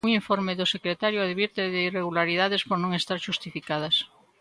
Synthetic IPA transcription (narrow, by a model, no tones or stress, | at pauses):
ŋiɱfoɾmeðʊsekɾet̪aɾjoaðβiɾt̪eðeireɣulaɾiðaðespoɾnõŋest̪aɾʃust̪ifikað̞ɐs